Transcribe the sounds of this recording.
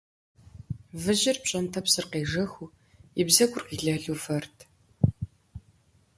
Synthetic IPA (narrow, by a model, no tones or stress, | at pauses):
vɨʑɪrpɕʼɐntʰɐpsɨrqeːʐɐxu | ibzɐɡʷʊrqiːɮɐɮuːfɐrtʰ